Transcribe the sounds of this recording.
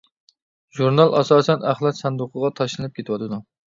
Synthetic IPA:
ʒuɾnɑlˠʔɑsɑːsɛnæχlˠɑt̪sɑnd̪uqʰəʁɑt̪ʰɑʃlɨnɨp̚kʲet̪ʰɨwɑt̪ɨd̪u

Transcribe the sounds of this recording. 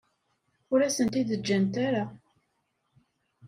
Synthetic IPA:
ʊɾæsənt̪iðəd͡ʒːænt̪aɾa

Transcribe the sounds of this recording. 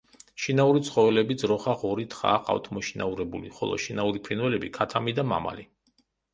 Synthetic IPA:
ʃinauɾit̪sʰχɔvɛlɛbid̪zɾɔχaʁɔɾit̪ʰχa̰ːqʼa̰wft̪ʰmɔʃina̰uɾɛbuliχɔ̰lˠɔ̰ʃinauɾipʰɾinwɛlɛbikʰat̪ʰamid̪ama̰ma̰li

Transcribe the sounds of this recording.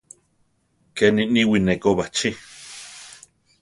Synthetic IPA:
keniʔniwinekoβat͡ʃi

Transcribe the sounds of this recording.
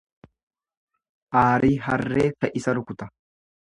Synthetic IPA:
ʔaːɾiːɦɐrːeːfɛʔɪsɐɾʊkʊt̪ɐ

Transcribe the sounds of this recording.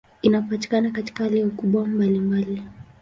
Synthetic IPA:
inapati̥kanakati̥kahaliɔkuɓwambalimbali

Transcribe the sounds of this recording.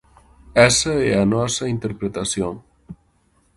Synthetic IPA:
ɛsɐɛɐnɔsɐint̪eɾpɾet̪asjoŋ

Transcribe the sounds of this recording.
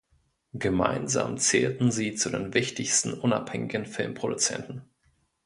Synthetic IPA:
ɡ̥əma̰ɪnza̰ːmt͡seːltn̩ziːt͡sudeːnvɪçtɪçstn̩ʔʊnaphɛŋɪɡn̩fɪlmpʁ̥odut͡sɛ̰ntn̩

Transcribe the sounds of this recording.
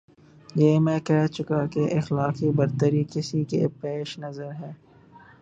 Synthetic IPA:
jeːmɛ̃ːkɛɦt͡ʃʊkakeʔɪxlaːkibɐɾt̪əɾikɪsikḛpeːʃnɐzəɾɦɛː

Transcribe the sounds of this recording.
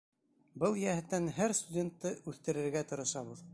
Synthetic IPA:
bɤlˠjæhɘ̆t̪ːænɦæɾst̪udʲe̞nt̪ːɤʉθt̪ɘ̆ɾɘ̆ɾɡæt̪ɤ̆ɾɤ̆ʃɑβɤð

